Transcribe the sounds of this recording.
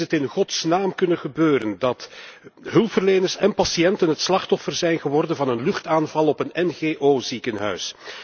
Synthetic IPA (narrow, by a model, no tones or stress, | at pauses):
ətɪnχɔtsnaːmkɵnənɣəbøːɾəndɑtɦɵlˠpfərlejnərsɛnpɑsijɛntənɦətslɑχtɔfərzɛjnɣəʋɔrdənvɑnənlɵxtaːnvɑlˠɔpənɛnɣeːʔoːzikənɦœ̰ɥs